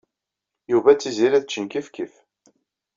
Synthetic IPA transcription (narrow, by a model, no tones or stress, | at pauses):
juvæt͡sːiziɾæðət͡ʃːənkifkif